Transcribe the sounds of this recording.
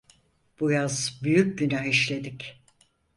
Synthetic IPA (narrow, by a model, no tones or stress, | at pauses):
b̥ujazbyjyc̚ɟynaɦiʃlʲe̞d̪ic